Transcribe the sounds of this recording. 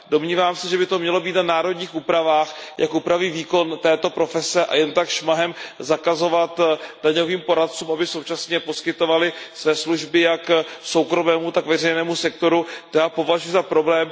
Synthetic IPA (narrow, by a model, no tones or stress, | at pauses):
do̞mɲiːvaːmsɛʒɛbɪt̪o̞mɲɛlo̞biːt̪nanaːɾo̞dɲiːxʔuːpɾavaːxjʔa̰kʔuːpɾaviːviːko̞nt̪ɛːt̪o̞pɾo̞fɛsɛʔa̰jɛnt̪akʃmaɦɛmzakazo̞vat̪d̥aɲo̞viːmpo̞ɾat̪̚t͡suːmʔabɪso̞wt͡ʃasɲɛpo̞skɪt̪o̞valɪsvɛːsluʒbɪjakso̞wkɾo̞mɛːmut̪akvɛr̝ɛjnɛːmusɛk̚t̪o̞ɾut̪ojaːpo̞vaʒujuzapɾo̞blɛːm